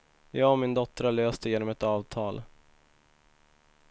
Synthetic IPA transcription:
jɑːɔmɪnd̪ɔt̪ːɾaløːst̪əjeːnɔmɛt̪ɑːvt̪ʰɑːl

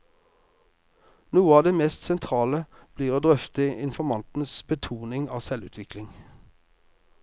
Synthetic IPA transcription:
nuːəɑːd̪eːmeːst̪sɛnt̪ʰʁɑːləb̥liːʁoːd̪ʁœft̪əɪnfɔmɑnt̪n̩sbət̪ʰuːnɪŋɑːsɛlʉ̰ːt̪ʰʋɪklɪŋ

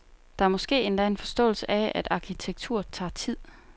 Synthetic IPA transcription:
d̥ɑ̈æɐmɒ̽sɡ̥e̝̰ːe̝nd̥æe̝nfɒ̽sd̥ɔ̰̽ːl̩səʔææd̥ɑ̈kʰit͡sʰeɡ̥̚t͡sʰṵɐ̰t͡sʰɑ̰̈ːt͡sʰið̰ˠ

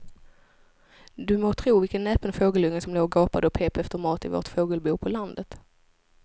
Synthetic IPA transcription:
d̪ɵmoːt̪ʰɾuːvɪlkənːɛpənfoːɡəlɵŋːəsɔmloːɾɡɑːpad̪əɔpʰeːpɛft̪əɾmɑːt̪ɪvo̰ːʈ̪foːɡəlbuːpʰɔland̪ət̪

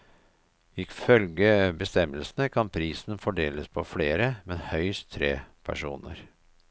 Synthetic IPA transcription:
ɪfœlɡəbəst̪ɛməlsnəkʰɑnpʰɾiːsn̩fɔɖeːləspʰɔfleːɾəmɛnhœʏst̪ʰːɾeːpʰæ̰ʂṵːnə̰ɾ

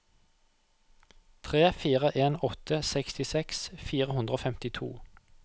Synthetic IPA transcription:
t̪ʰʁeːfiːʁəʔeːnɔt̪ʰəsɛkst̪ɪsɛksfiːʁəhʉnd̪ʁoːfɛmt̪ɪt̪ʰṵː

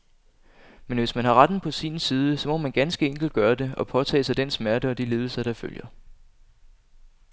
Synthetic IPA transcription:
menʋe̝smænɦɑ̈ʁad̥n̩pʰɒ̽siːnsiːð̞ˠəsɒ̽mɒ̽mænɡ̥ænsɡ̥əeŋ̰ɡ̥l̩d̥̚ɡ̥ɶːɐd̥e̝ɒ̽pʰɒ̽t͡sʰɛ̰ːsɑ̈ɪd̥ensmæɐdəɒ̽d̥ile̝ːð̞ˠəsɑd̥ɑ̈fø̰ljɐ

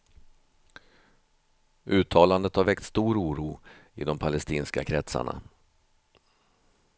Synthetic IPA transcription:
ʔʉ̟ːt̪ʰɑːland̪ət̪haɾvɛkt̪st̪uːɾuːɾuːɪ̰d̪ɔmpʰalɛst̪iːnskakʰɾɛt̪sa̰ɳa̰

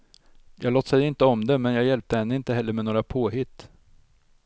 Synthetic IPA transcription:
jʔɑːɡloːt̪ːsɛjɪnt̪əɔmd̪ɛmɛnjɑːɡjɛlp̚t̪əhɛnːəɪnt̪əɦɛlːəɾmɛnoːɾapʰoːɦɪt̪ː

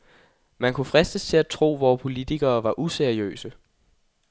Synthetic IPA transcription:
mænkʰufʁɛsd̥əst͡sʰe̝æt͡sʰʁo̝̰ːʋɒːpʰo̝lit͡sʰiɡ̥ɐːʋɑ̈ʔuseɐiø̰ːsə

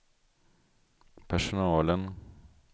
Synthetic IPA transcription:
pʰæʃʊnɑːlən

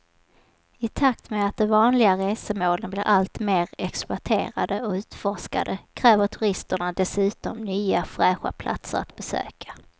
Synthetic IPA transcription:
ɪt̪ʰakt̪mɛat̪̚d̪ɛvɑːnlɪɡaɾeːsəmoːlənblɪɾʔalt̪meːɾɛksp̪ʊaʈʰeːɾa̰d̪əɔʉ̟ːt̪fɔʂka̰d̪əkʰɾɛːvəʈʰɵɾɪst̪əɳad̪ɛsʉ̟ːt̪ɔmnyːafɾɛːɧa̰pʰlʔa̰t̪sə̰ɾa̰t̪bɛsø̰ːkʰḁ

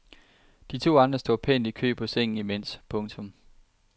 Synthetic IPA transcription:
d̥it͡sʰo̝̰ːɑ̈nd̥ʁɐsd̥o̝̰ðˠpʰen̰d̥ikʰø̰ːb̥pʰɒ̽seŋ̰n̩imen̰spʰɔ̽ŋt͡sʰɔ̽m

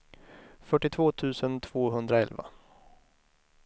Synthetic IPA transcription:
fœʈːɪt̪ʰvoːt̪ʰʉ̟ːsənt̪ʰv̥oːɦɵnd̪ɾaɛlva̰

